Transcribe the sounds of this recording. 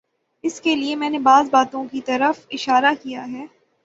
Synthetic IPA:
ɪskeliemɛ̃ːnebaːzbaːt̪õkit̪ɐɾəfɪʃaːɾakijaɦɛː

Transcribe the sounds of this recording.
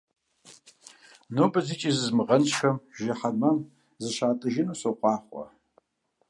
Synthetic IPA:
nobɐzit͡ʃʼizɨzmɨʁɐnʃɐmʒaħamɐm | zɨʃʷaːtʼɨʒɪnosoqʷʼɑːχʷa̰

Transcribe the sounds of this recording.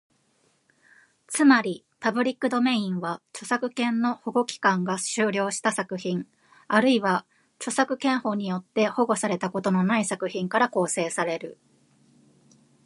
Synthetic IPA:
t͡sɨmaɾʲi | pabɯ̟ɾʲikːɯ̟d̪o̞me̞ĩɰ̃βat͡ɕo̞sakɯ̟kẽ̞nːo̞ho̞ɡo̞kʲi̥kãŋɡaɕɨːɾʲo̞ːɕi̥t̪asakɯ̟çĩŋ | aɾɯ̟iβa | t͡ɕo̞sakɯ̟kẽ̞ɰ̃ho̞ɲ̟ijo̞t̪ːe̞ho̞ɡo̞saɾe̞t̪ako̞t̪o̞no̞naisakɯ̟çĩŋkaɾako̞ːse̞ːsaɾe̞ɾɯ̟

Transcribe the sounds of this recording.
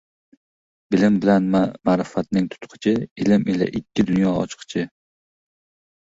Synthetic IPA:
bɪlɪmbɪlanmaɾɪfat̪̚nɪŋt̪ʰʊ̥t̪qʰɨ̥t͡ʃʰɪɪlɪmila̰ʔɪkʲːɪd̪ʊnjɒɒ̰t͡ʃqʰɨ̥t͡ʃʰɪ

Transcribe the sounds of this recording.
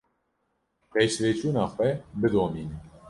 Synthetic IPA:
pɛjsveːt͡ʃuːnɑːxʷwɛbɨd̪oːmiːn

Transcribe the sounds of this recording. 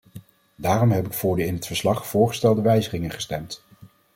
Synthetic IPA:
daːrɔmɦɛpɪkfʊːɹdəɪnɦətfəɹslɑχfʊːɹχəstɛlˠdəʋɛjzəχɪŋənχə̥stɛmt

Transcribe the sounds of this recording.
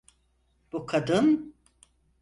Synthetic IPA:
b̥ukʰad̪ɯn

